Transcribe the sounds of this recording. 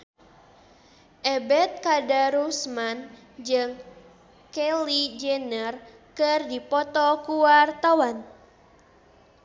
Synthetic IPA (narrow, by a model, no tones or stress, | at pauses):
ʔɛbɛt̪̚kadaɾusman | d͡ʒɨŋ | kɛlid͡ʒɛnər | kɨrdipɔt̪ɔkuwart̪awan